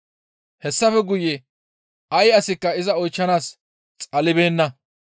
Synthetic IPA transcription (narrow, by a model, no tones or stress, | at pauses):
hɛsːɐfɛɡʊjːɛ | ʔɐjɐsɪkːɐɪzɐɔjt͡ʃːɐnaːs | t͡sʼɐlɪbe̞ːnːɐ